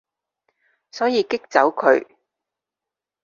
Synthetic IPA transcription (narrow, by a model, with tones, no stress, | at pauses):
sɔː˨˥jiː˨˧kɪ˥k̚t͡sɐ˨˥wkʰɵ˨˧ɥ